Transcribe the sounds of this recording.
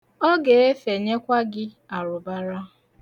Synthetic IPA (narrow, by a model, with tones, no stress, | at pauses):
ɔ˦ɡe˨e˦fe˨ɲe˦kʷa˦ɡɪ˦ | a˨ɾʊ˨ba˦ɾa˦